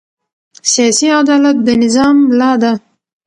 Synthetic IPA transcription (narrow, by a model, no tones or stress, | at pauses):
sijɑsiad̪ɑlat̪̚d̪ənɪzɑmlɑd̪a